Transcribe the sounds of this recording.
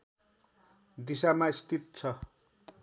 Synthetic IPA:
d̪isamaist̪ʰit̪̚t͡sʰʌ

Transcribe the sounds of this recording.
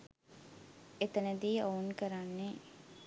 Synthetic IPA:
et̪ənəd̪iːoːnkəɾanːe

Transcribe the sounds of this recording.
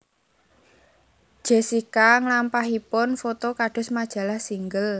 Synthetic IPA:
ʒ̥e̤sikaŋlampaɦipʊnfot̪okaɖ̥ʊ̤smad̥ʒ̥a̤lahsiŋɡəl

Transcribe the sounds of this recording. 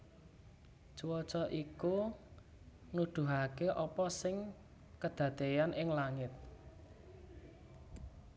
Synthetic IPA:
t͡ʃuwɔt͡ʃɔʔiku | nud̪̥ṳɦakeʔɔpɔsɪŋ | kəd̪̥ä̤t̪ejanɪŋlaŋɪt̪̚

